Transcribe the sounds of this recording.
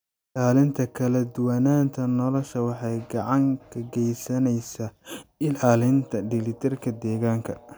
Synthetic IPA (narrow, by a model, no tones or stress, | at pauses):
laːlɪnt̪ʰɐkʰɐlɐd̪ʊwɐnaːnt̪ʰɐnɔlɔʃɐwɑħɑjɡɑʕɑŋkʰɐɡɛjsɐnɛjsaːɪlaːlɪnt̪ʰɐɖɪlɪt̪ʰɪrkʰɐd̪ɛːɣaːŋkʰɐ